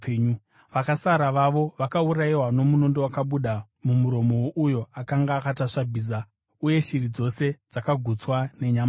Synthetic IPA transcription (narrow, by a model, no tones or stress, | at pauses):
ɲ | ʋakasaɾaʋaʋo̞ʋakauɾaiwano̞muno̞ndo̞wakaɓuɗa | mumuɾo̞mowoʔujo̞akaŋɡaːkataʂabʱiːs̬a | uje̞ʃirid͡zo̞se̞d͡zakaɡʱut͡swane̞ɲama